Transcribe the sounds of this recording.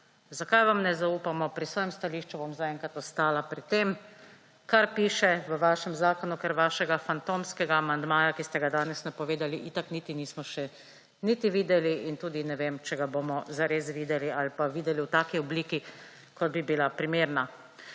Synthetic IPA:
zakajʋamnɛzauːpamɔpɾisʋɔːjɛmst̪aliːʃt͡ʃubomzaɛŋkat̪ɔst̪aːlapɾit̪ːem | kaɾpiːʃɛʋəʋaːʃɛmzaːkɔnukɛɾʋaːʃɛɡafant̪omskɛɡaːmand̪maːjakist̪ɛɡad̪aːnɛsnɛpɔʋeːd̪aliʔit̪aknit̪iniːsmɔʃɛ | nit̪iʋiːd̪ɛliint̪uːd̪inɛʋemt͡ʃɛɡabomɔzaɾeːsʋiːd̪ɛlialipaʋiːd̪ɛliwt̪aːkiɔbliːki | kɔd̪bibilapɾimeːɾna

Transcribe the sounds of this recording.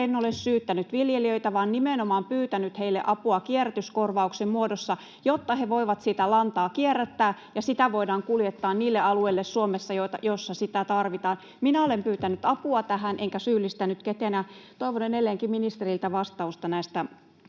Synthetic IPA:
enːolessyːt̪ːænyt̪ʋiljeliøit̪æʋɑːnnimenomɑːmpyːt̪ænyt̪heilːḛʔɑpuɑkieræt̪yskorʋɑuksemmuodosːɑ | jot̪ːɑheʋoiʋɑt̪sit̪ælɑnt̪ɑːkierːæt̪ːæːjɑsit̪æʋoidɑːŋkuljet̪ːɑːnniːlːeɑlueilːessuomesːɑjot̪ɑjosːɑsit̪æt̪ɑrʋit̪ɑːn | minæolempyːt̪ænyt̪ɑpuɑt̪æhænʔeŋkæsyːlːist̪ænyt̪ket̪eænjæt̪oiʋonenelːˑeːŋkiminist̪erilt̪æʋɑst̪ɑust̪ɑnæist̪æ

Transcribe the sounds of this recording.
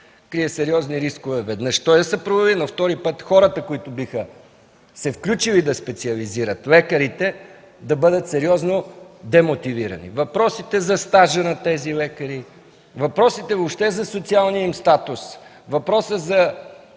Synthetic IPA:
kɾiɛsɛɾiɔzniɾiskʊvɛvɛd̪nəʃt̪ɔjd̪ɐsɐpɾovɐvinɐft̪ɔɾipɤt̪xɔɾət̪əkoit̪ʊbixə | sɛfklʲut͡ʃilid̪ɐspɛt̪siɐliziɾət̪lɛkəɾit̪ɛ | d̪ɐbɤd̪ət̪sɛɾiɔznod̪ɛmot̪iviɾɐ̰nḭvɐpɾɔsit̪ɛzɐst̪aʒənɐt̪ɛzilɛkəɾi | vɐpɾɔsit̪ɛvopʃt̪ɛzɐsot̪sialˠniəimst̪at̪ʊs | vɐpɾɔsəzɐ

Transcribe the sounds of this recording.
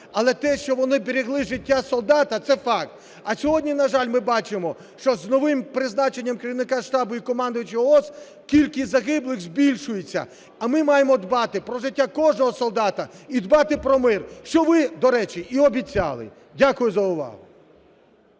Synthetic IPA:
ɐlˠɛt̪ɛʃt͡ʃɔʋɔnɪbeɾʲiɣlˠɪʒɪtʲːasɔlˠd̪ɑt̪ɐt̪sɛfɑkt̪ | ɐsʲɔɦɔdʲnʲinɐʒalʲmɪbɑt͡ʃɪmɔ | ʃt͡ʃɔznɔʋɪmpɾɪznɑt͡ʃe̞nʲːɐmkeɾʲiʋnɪkaʃt̪ɑbʊikɔmɑnd̪ʊjɪt͡ʃɪɔɔs | kʲilʲkɪzɐɦɪblˠɪɣzʲbʲilʲʃʊjet͡sʲːɐ̰ | ɐmɪmɑjemɔd̪bɑt̪ɪpɾɔʐɪtʲːakɔʐnɔɦɔsɔlˠd̪ɑt̪ɐid̪bɑt̪ɪpɾɔmɪrʃt͡ʃɔʋɪd̪ɔɾɛt͡ʃiiɔbʲit͡sʲa̰lˠɪ̰ | dʲakʊjʊzɐʊʋɑ̰ɦʊ

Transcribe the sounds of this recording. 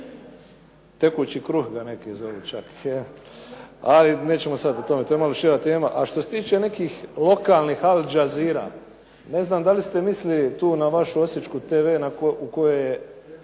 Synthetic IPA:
t̪e̞kuːt͡ɕikɾuxɡane̞kizo̞ʋet͡ʃake | aline̞ːt͡ɕe̞mosad̪ot̪o̞met̪ojemalo̞ʃiɾat̪e̞ːmaʔaʃt̪ose̞t̪iːt͡ʃe̞ne̞kiːxlo̞kaːlˠnixald͡ʒaziːɾa̰ː | ne̞znaːmd̪alist̪e̞mislilit̪uːnaʋaʃuo̞sjet͡ʃkut̪eːʋe̞ːnakukojeje

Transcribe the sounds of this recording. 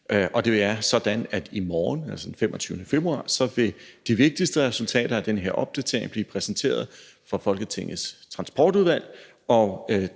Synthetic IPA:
ʔʔɒ̽d̥e̝æɐsɒ̽d̥ænæd̥imɒːnælsɒ̥̽n̩femɒ̽t͡sʰyːʊnəfe̝b̥ʁuɑ̰̈ːsɒ̽ʋe̝d̥iʋe̝ɡ̥̚d̥isd̥əʁɛsult͡sʰɛ̰ːɾɐæd̥enəɦeɐ̰ʔɒ̽b̥̚d̥æt͡sʰe̝ɐ̰eŋb̥lḭːpʰʁɛsn̩t͡sʰe̝̰ːɐð̞̩ˠ | fɒ̽fɒ̽lɡ̥ət͡sʰe̝ŋ̰̩ˠst͡sʰʁɑ̈nsb̥ɒːd̥uð̞ˠʋæl̰ | ɒ̽

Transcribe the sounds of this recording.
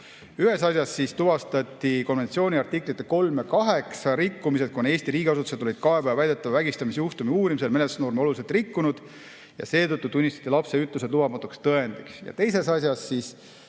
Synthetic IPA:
yɦe̞sɑsjɑsːist̪uvɑst̪ɑt̪ʲːˑiko̞nve̞nt̪sio̞ːnʲiɑrt̪ikˑlit̪ːˑeko̞lmekɑɦeksɑɾikːumise̞d̪̥̚kone̞ːsʲt̪iɾiːɡ̥ʲiɑs̬ut̪u̥se̞d̪̥olid̪̥kɑepævvæjd̪e̞t̪ːˑɑvvæɡ̥ist̪ɑmisjuht̪umiuːɾimise̞lmenet̪u̥sno̞ːrmio̞luliselt̪rikːunud̪̥ | jɑ̰se̞ːt̪ɤt̪ˑːut̪unʲːist̪ɑ̥t̪ːilɑpse̞yt̪luse̥lubɑmɑt̪ːˑukst̪ɤe̞nd̪̥iksjɑ̰t̪e̞jse̞sɑsjɑsːiːs

